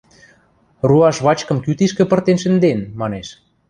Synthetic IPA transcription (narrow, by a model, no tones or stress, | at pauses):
ruɑʃβɑt͡ɕkɤ̆mkyt̪iʃkĕpə̆rt̪enʃə̆nd̪enmɑneʃ